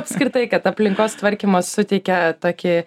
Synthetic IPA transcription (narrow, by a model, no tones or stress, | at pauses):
pʲsʲkɾʲɪt̪ɐɪkɐt̪ɐpʲlʲɪŋkoːst̪ʋɐɾʲkʲɪmɐssʊt̪ʲɛɪkʲɛt̪oːkʲɪ